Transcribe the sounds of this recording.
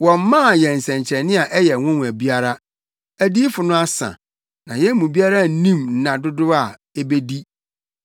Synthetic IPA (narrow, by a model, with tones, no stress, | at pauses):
wɔ̃˨m˦mã˦˨jɛ˨n̩˨sɛ̃˨ɲ˨t͡ɕʰɛ˨nɪ̃˦a˨ʔɛ˦jɛ˨ŋʊ̃˦n˨æ˨bi˦a˦ɾa˦ | æ˨diː˦fʊ˨nʊ̃˦a˦sã̰˨ | nã˨jɛ˦mũ˨bi˦a˦ɾa˦˨n̩˦nĩ˦mn̩˦˨nã˨dʊ˦dʊ˦a˨ | e˦be˦di˦